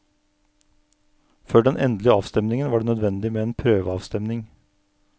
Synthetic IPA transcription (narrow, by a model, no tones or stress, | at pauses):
føːɖɛnʔɛ̰nd̪lɪəɑːʋst̪ɛmnɪŋənʋɑːɖeːnœd̪ʋɛnd̪ɪmeːeːnpʰɾøːʋəɑːʋst̪ɛmnɪŋ